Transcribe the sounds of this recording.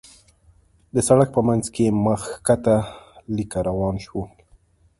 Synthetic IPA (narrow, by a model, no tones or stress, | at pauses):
d̪əsaɽak̚pəmanzkeməxkat̪alikaɾawɑnʃwu